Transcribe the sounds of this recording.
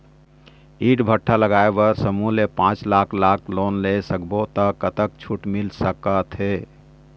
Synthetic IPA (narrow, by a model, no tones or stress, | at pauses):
iʈbʱəʈʰːaləɡaebəɾsəmulepãt͡ʃlakʰlakʰlonlesəkbot̪əkət̪əkt͡ʃʰuʈmilsəkət̪ʰɦe